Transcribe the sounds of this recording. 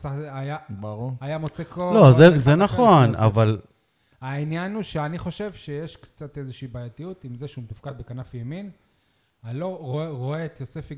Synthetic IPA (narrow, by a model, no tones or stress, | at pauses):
saeajabaʁuajamot͡sekʰolozezenaχona̰val | ainjanuʃeaniχo̞ʃe̞vʃe̞jeʃkt͡sate̞zeʃiːbaːjatijut̪imzeʃumtifkad̪̚bekanafjemin | aloʁoeʁoeːt̪josefi